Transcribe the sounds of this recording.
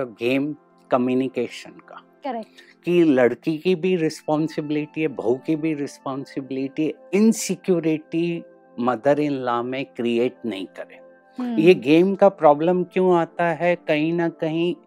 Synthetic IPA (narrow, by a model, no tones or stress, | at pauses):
ɡeːm | kɐmjuːnɪkeːʃənkaː | kilɐɽkikibʱiɾɪspɔːnsɪbɪlɪʈiɦɛbʱɐukibʱiɾɪspɔːnsɪbɪlɪʈiɦɛɪnsɪkjuːɾɪʈi | mɐd̪əɾɪ̃nlaːmẽkɾieːʈ̚nɐ̰ɦĩkɐɾḛ̃ː | jeɡeːmkapɾɔːbləmkjõaːt̪aɦɛkɐɦĩnɐkɐɦĩ